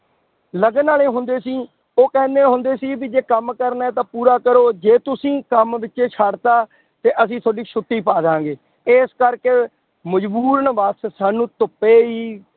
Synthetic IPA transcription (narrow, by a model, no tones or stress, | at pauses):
ləɡənaːleːɦʊnd̪eːsiː | oːkɛ̃ːnd̪eːɦʊnd̪eːsiːbid͡ʒeːkəmkəɾnaɛːt̪ãːpuːɾaːkəɾoːd͡ʒeːt̪ʊsĩːkəmʋɪt͡ʃːʃeːt͡ʃʰaːɖt̪aː | t̪eːʔəsĩːt̪ʰoːɖiːʃʰʊt̪ːiːpaːd̪ãːŋɡeː | eːskəɾkeː | məd͡ʒbuːɾənʋassaːnũːt̪ʊpːeːiː